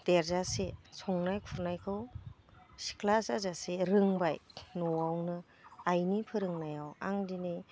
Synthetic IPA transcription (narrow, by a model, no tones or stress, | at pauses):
d̥eɾzasesɔŋnajkʰuɾnajkʰɯw | si̥kʰlasazaseɾɯŋbajnɔwawnɯ | ajnipʰɯɾɯŋnajawa̰ŋdini